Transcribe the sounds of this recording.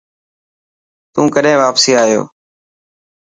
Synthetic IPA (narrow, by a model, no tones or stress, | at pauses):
t̪ũːkəɗẽːʋaːpsiːaːjo̰ː